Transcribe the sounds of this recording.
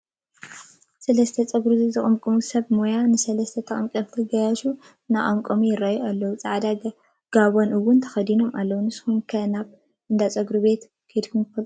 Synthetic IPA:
sɐlɐst̪ʰɐt͡sʼɐɡɾuzɨzɨkʼɐmkʼɨmusɐβmojanɨsɐlɐst̪ʰɐt̪ʰɐχʼɐmkʼɐmt̪ʰɨɡɐjaʃu | naʔʼɐmkʼɐmujɪrːajualːɐwut͡sʼaʕd̪a | ɡ̥aβonɨwːʊnt̪ʰɐ̥xɐd̪ino̞malːɐwunɨshumkʰɐnaβ | ʔɨnd̪at͡sʼɐɡɾube̞t̪ | kʰɐjd̪kʰumt̪ɨfɐlʼ

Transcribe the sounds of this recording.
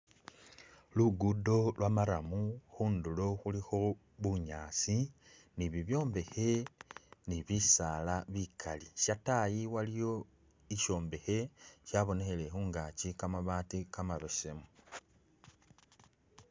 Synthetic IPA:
luɡudo̞lwamaɾamuxuːnduloxulixo̞ | βuɲaːsi | niβiβjo̞ːmbe̞he̞ | niβisaːlaβikʰaliʃatajiwalijo̞ | iʃo̞ːmbe̞xe̞ʃaβo̞nexele̞xuːŋɡacikamaβaːtikamaβese̞mu

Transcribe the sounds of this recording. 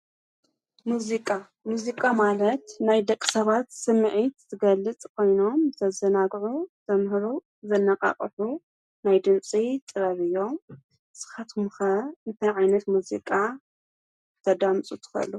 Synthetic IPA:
muzikʼa | muzikʼamalɐt̪najd̪ɐkʼːi̥sɐβat̪sɨmːɨʕit̪zɨɡɐlːɨt͡sʼkʰo̞jno̞mzɐzɐnaɡʕut̪ʰɐmhɨɾu | zɐnːɐqʼa̰qʼɐħu | najd̪ɨnt͡sʼit̪ʼɨɾɐβɨjːo̞m | sɨ̥xat̪ʰumxɐɨnt̪ʰɐjʕajnɐt̪muzikʼa | t̪ʰɐd̪amt͡sʼut̪ʰɨ̥xɐ̰lːu

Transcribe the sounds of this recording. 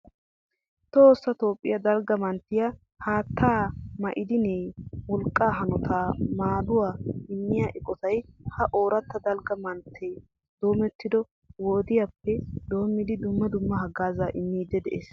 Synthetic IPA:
t̪oːsːɐt̪o̞ːpʼːɪjɐd̪ɐlɡɐmɐnt̪ːɪja | haːt̪ʰːaːmɐʔɪd̪ɪneːwɔlkʼːaːɦɐnɔt̪ʰaːmaːd̪ʊwaːɪmːɪjaːʔɪkʼɔt̪ɐjhɐʔoːɾɐt̪ːɐd̪ɐlɡɐmɐnt̪ʰːe | d̪̥o̞ːmɛt̪ːɪd̪ɔ | woːd̪ɪjapːɛd̪̥o̞ːmːɪd̪ɪd̪ʊmːɐd̪ʊmːɐhɐɡaːzaːʔɪmːiːd̪ːɛd̪ɛʔeːs

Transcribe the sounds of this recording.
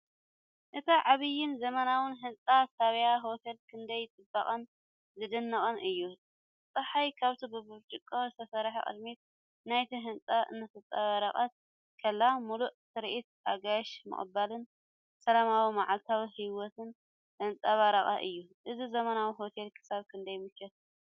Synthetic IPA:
ʔɨt̪ʰaʕaβɨjːɪnzɐmɐnawɨnɦɨnt͡sʼasaβjaɦo̞t̪ʰe̞lkʰɨnd̪ɐjt͡s̪ʼɨbɐχʼɐn | zɨd̪ɨnːɨχʼɨnʔɨjːu | t̪ʼɐħajkʰaβt̪ʰibɨbɨβt͡ʃʼɨkʼːɐwzɨt̪ʰɐsɐɾħa̰kʼɨ̰d̪mit̪̚ | najt̪ʰiɦɨnt͡sʼaʔɨ̰nːɐt̪ʰɐt͡sʼaβaɾaχʼat̪̚ | kʰɐlːamuluʔsɨɾʔit̪̚aɡajʃmɨ̰χʼɨ̰balɨn | sɐlamawimaʕalt̪ʰawihiwɔt̪ʰɨn | hɨnt͡sʼaβaɾaχʼa̰ʔɨjːuʔɨzizɐmɐnawiɦo̞t̪ʰe̞lkʰɨ̥saβkʰɨnd̪ɐjmɨkʰːɐt̪

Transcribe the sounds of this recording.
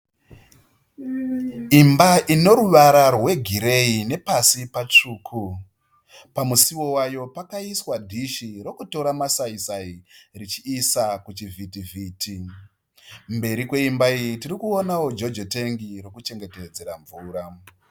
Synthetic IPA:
imbaʔino̞ɾuʋaɾarwe̞ɡʱiɾe̞ine̞pasipat͡ʂuːkʰu | pamusiwo̞wajo̞pakaiswadʱiʃiɾo̞kuto̞ɾamasaisairit͡ʃiːsakut͡ʃivʱitivitʰi | mbe̞ɾikwe̞imbaijitirikuonawo̞d͡ʒo̞d͡ʒote̞ŋɡiɾokut͡ʃe̞ŋɡe̞te̞d͡ze̞ɾaɱvuːɾa

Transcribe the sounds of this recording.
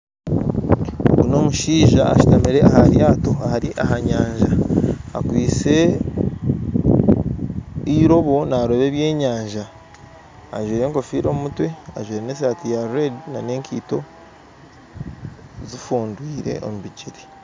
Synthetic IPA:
ɡuno̞ːmuʃiːʒaa̰ʃu̥tamiɾe̞ahaɾjaːto̞ahaɾiʔahaɲaːɲʒaa̰kwiːt͡se̞ | iɾo̞βo̞naɾoβe̞ːβje̞ːɲaːɲʒaː | ʒwiːɾe̞ːŋko̞fiːɾo̞mumutwe̞aʒwiːɾene̞s̬aːtijaɾedinane̞ːŋkʰiːto̞ | zifuːndwiːɾe̞̰ʔo̞̰muβiciɾi̥

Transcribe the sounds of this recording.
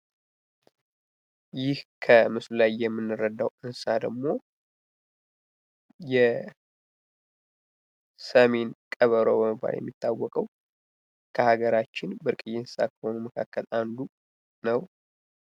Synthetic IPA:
jɪhkʰəmɨslulajːɛmːɨnːɨrəd̪ːawʔɨnsad̪əɡmo̞ | jɛ | səme̞nkʼəβəɾobəmɨbːa̰ljɛ̰mːit̪ʰːawːɔkʼəw | kʰəhaɡəɾat͡ʃːɪnbɨɾkʼɨjːɛnssa̰kʰə̥ho̞numəkʰa̰kːəland̪u | nəw

